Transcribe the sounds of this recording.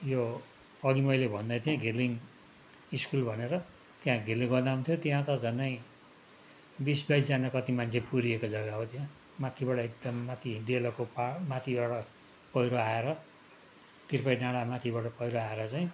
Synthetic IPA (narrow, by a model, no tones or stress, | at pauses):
jo | ʌɡimʌjlebʱʌnd̪ʌjt̪jãɡʱiliŋ | iskulbʱʌneɾʌ | t̪jãɡʱirlĩŋɡʌrd̪aɦunt̪ʰjot̪jãt̪ʌd͡zʱʌnːʌj | bisbajsd͡zanakʌt̪imant͡sʰepuɾiekod͡zʌɡaɦot̪ijã | mat̪ʰibaʈʌek̚d̪ʌmːat̪ʰid̪elʌkopamat̪ʰibaɽʌ | pʌjɾoaeɾʌ | t̪irpʌjnaɽamat̪ʰibaɽʌpʌjɾoaeɾʌt͡saĩ